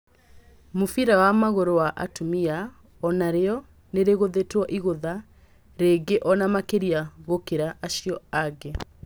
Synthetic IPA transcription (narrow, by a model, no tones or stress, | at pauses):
mofiɾawamaɣoɾowaʔa̰tumia | ɔnaɾeɔ | neɾeɣoðetwɔʔiɣoða | ɾeɡeʔɔnamakeɾiaɣokeɾaʔːɕiɔaɡe